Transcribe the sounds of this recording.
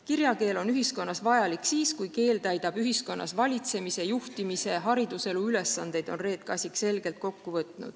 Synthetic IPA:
kirjɑke̞ːlo̞nyɦisko̞nːɑsvɑjɑliksiːskujke̞ːlt̪æjd̪ɑb̥yɦisko̞nːʔɑ̰svɑlʲit̪se̞mise̞juht̪imise̞ɦɑɾid̪use̞luyle̞sːɑnd̪̥e̞jd̪̥o̞nre̞ːt̪̚kɑsʲikse̞lɡ̥e̞lt̪̚ko̞kːuvɤt̪ˑnṵd̪̥

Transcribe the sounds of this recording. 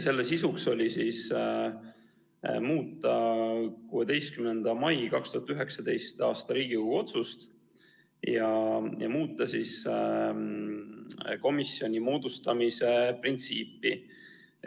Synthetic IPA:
se̞lːesisukso̞lʲisis | muːt̪ˑːɑkuːe̞d̪e̞jst̪̚kymnend̪̥ɑmɑjkɑkst̪uhɑt̪yɦe̞ksɑd̪e̞jst̪ɑːst̪ɑɾiːɡ̥ikuɡuo̞t̪sust̪ | jɑjɑ̰muːt̪ˑːɑsis | ko̞misio̞nʲimo̞ːd̪ust̪ɑmise̞print̪siːpːˑi

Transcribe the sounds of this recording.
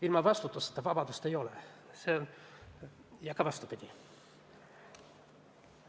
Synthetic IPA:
ilmɑʋɑst̪ut̪ːuse̥t̪ːæʋɑbɑd̪ust̪eijole | sen | jɑkɑʋɑst̪upit̪ʲi

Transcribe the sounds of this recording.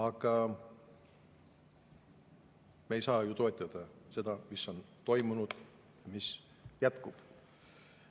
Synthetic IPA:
ɑɡ̥ɑ | meejsɑːjut̪o̞et̪ːˑɑd̪̥ɑse̞d̪ɑmisːo̞nt̪o̞jmunud̪̥ | jɑmis | jæt̪kub̥

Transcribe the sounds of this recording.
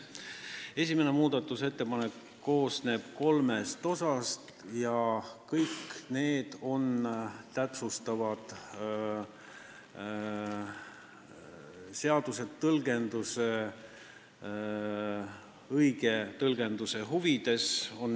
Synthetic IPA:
e̞sʲimene̞muːd̪ɑt̪ːˑuse̞t̪ːe̞pɑnekːo̞ːsne̞ːb̥ko̞lme̞st̪o̞sɑst̪ | jɑkɤjkːne̞ːd̪̥o̞nt̪æpsust̪ɑvɑd̪̥ | se̞ɑd̪̥use̞t̪ːɤlɡ̥e̞nd̪use̞ | ɤjɡ̥e̞t̪ɤlɡ̥e̞nd̪use̞ɦuvid̪̥e̞so̞n

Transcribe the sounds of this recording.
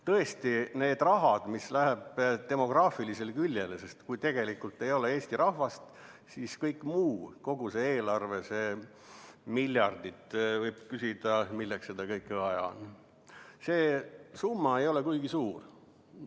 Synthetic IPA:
t̪ɤe̞st̪ine̞ːd̪rɑɦɑd̪̥mislæɦeb̥t̪e̞mo̞ɡ̥rɑːfilise̞lkylʲjelse̞st̪kujt̪e̞ɡ̥e̞likːult̪ːˑe̞jo̞lee̞ːst̪iɾɑhvɑst̪ | siːskɤjkːˑmuːko̞ɡ̥useeːlɑrve̞se̞ː | milʲjɑrd̪̥it̪ːˑvɤjb̥̚kysid̪̥ɑmilːeksed̪̥ɑkɤjkːˑeɑjɑ̰n | se̞ːsumːɑe̞jo̞lekujɡ̥isuːr

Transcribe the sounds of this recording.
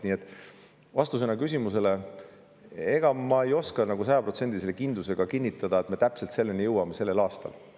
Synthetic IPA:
niːe̞t̪ːˑ | vɑst̪us̬e̞nːɑkysʲimuse̞le̞ | e̞ɡ̥ɑmɑejo̞skɑnɑɡusɑjɑpro̞t̪se̞nd̪̥iselːekind̪luse̞ɡ̥ɑkinʲːit̪ːˑɑd̪̥ɑe̞t̪me̞t̪æpselt̪se̞lːe̞nijɤwɑme̞se̞lːe̞lɑːst̪ɑ̰l

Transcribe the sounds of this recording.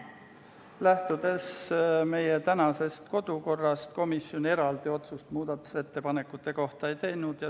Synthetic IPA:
læht̪ud̪̥e̞sme̞jet̪ænɑse̞st̪ko̞d̪̥uko̞rːɑst̪̚ko̞misio̞ne̞ɾɑld̪̥io̞t̪sust̪muːd̪ɑt̪ːˑu̥se̞t̪ːe̞pɑne̞kːˑut̪ːˑe̞ko̞ht̪ɑe̞jt̪e̞jnud̪̥jɑ

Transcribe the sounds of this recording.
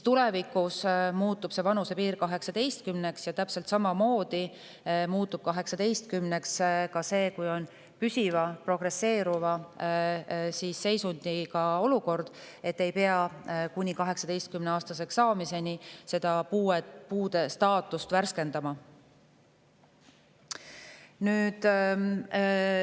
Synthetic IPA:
t̪ulevikˑusmuːt̪ːˑub̥se̞vɑnuse̞piːɾkɑɦe̞ksɑd̪e̞jst̪̚kymne̞ksjɑt̪æpse̞lt̪sɑmɑmo̞ːd̪̥i | muːt̪ːub̥̚kɑɦe̞ksɑd̪e̞jst̪̚kymne̞kskɑse̞ːkujo̞n | pysivɑpro̞ɡ̥re̞sːe̞ːɾuvɑ | siːsːe̞jsund̪̥ikɑo̞luko̞rd̪̥ | e̞t̪ːe̞jpe̞ɑkunʲikɑɦe̞ksɑd̪e̞jst̪̚kymneɑːst̪ɑse̞ksɑːmise̞nise̞d̪̥ɑpuːepuːd̪̥e̞st̪ɑːt̪ːˑust̪værske̞nd̪̥ɑmɑ | nyːd̪̥

